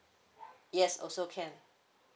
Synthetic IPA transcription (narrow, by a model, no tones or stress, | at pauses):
jɛsɔ̰soʊkʰɛn